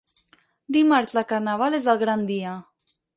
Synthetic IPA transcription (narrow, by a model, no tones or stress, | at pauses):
d̪imaɾzləkaɾnaβ̞alezəlˠɣɾand̪iə